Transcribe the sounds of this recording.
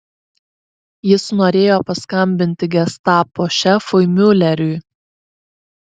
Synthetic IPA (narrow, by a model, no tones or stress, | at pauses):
jɪsnoːɾʲeːjoːpɐskɐmʲbʲɪnʲt̪ʲɪɡʲɛst̪ɑːpoʃʲɛfʊɪmʲʊlʲɛɾʲʊɪ